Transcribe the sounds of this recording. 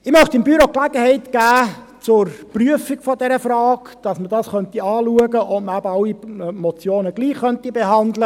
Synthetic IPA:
ɪmœχt̪ɪmbyɾoklæɡəhɛɪtɡ̥æː | t͡sʊɾpryəfiɡfɔdɛɾəfrɑːkd̥ɑsmədɑsχœntiɑːluəɡəʔɔməæbəɑwimɔt͡sjoːnəɡ̥liːχːœntibeɦɑndlə

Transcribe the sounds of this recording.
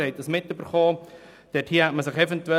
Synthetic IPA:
ɛɪt̚ːəsmɪtːyb̥əɾχɔː | d̥ɛthiːəhæt̚məsɪχɛfɛntuɛ

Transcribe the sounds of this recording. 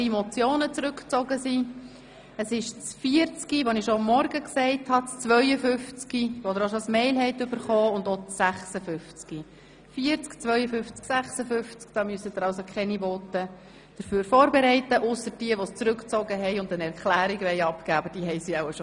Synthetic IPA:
imɔt͡sjoːnət͡sɾʏkt͡sɔɡəsi | əsɪʃt͡sfiəɾt͡skiʋonɪʃɔɑmːɔrɡəksɛɪthɑt͡st͡sʋœʏəfʏft͡skiʋod̪əɾoʃosmɛɪlɦɛɪtʏb̥əɾχɔːʊnd̪ot͡sːæχsəfʏft͡ski | fiəɾt͡skt͡sʋœʏəfʏft͡sksæχsəfʏft͡skd̥ɑːmyəsəd̪əɾɑʊsokʰχɛniʋɔːtə | d̥əɾføːɾfɔːɾbeɾɛɪtəʔʊsəɾd̥iəʋɔst͡sɾʏkt͡sɔɡəɦɛɪʊndənɛɾkχlæːɾiɡʋɛɪɑpkæːɑbəd̥iːɦɛɪsiaʊəʃo

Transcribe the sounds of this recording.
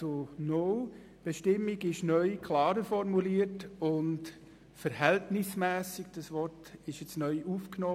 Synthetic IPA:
ono | b̥eʃtɪmːɪɡɪʃnœʏkʰlɑːɾəfɔɾmuliːəɾtʊnt | fəɾhɛltnɪsmæːsɪɡd̥ɑsʋɔɾtɪʃjɛt͡snœʏʔuːfknoː

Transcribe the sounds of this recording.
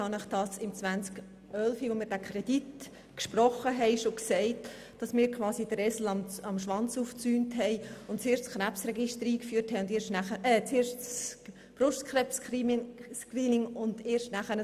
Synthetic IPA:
ɑnɪχd̥ɑsɪmt͡sʋænt͡sk | œlfiʋomɪːɾd̥ækʰɾɛd̥it | kʃprɔχːəɦɛɪʃoksɛɪt | d̥ɑsmɪːɾkχvɑːsid̥əɾɛsl̩ɑmɑmʃʋɑnt͡suːft͡syːntɦɛɪʊntt͡seːʃtt͡skχræpsrɛɡɪʃtəɾiːkfyːthɛɪʊndeːʃtnæχəɛt͡seːɾʃts | b̥rʊʃtkχrɛpsiskriːnɪŋʊnd̥eːɾʃtnæχənə

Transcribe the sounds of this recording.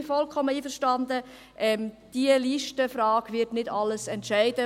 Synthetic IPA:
fɔlkʰɔmːəiːfəɾʃtɑndə | ʔɛmd̥iəliʃtəfrɑːɡ̥ʋɪtnɪdɑlːəsɛntʃæɪd̥ə

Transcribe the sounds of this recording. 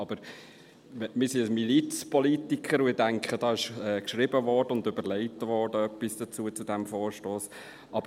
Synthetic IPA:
ɑb̥əɾ | mɪːsiəmilit͡spɔlitikχəɾʊɪdæŋkχəd̥ɑɪʃɛːkʃɾɪbəvɔrd̥əʊndøbəɾlɛɪtəvɔːrdəœpːisd̥ət͡suət͡sudɛmfoːɾʃtoːs | ʔɑbə

